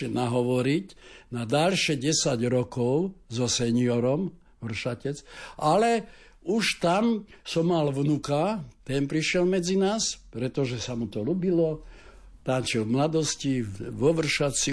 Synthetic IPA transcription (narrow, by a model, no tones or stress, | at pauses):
ɛnaɦɔʋɔɾicnad̪alʃɛɟɛsaɟɾɔkɔʊzɔsɛɲiɔɾɔm | ʋr̩ʃacɛt͡sʔalɛ | uʃt̪amsɔmːalʋnukat̪ɛnpɾiʃɪɛlmɛd͡zinaːspɾɛt̪ɔʒɛsamut̪ɔlubilɔ | t̪ant͡ʃɛmlad̪ɔsciʋɔʋr̩ʃat͡si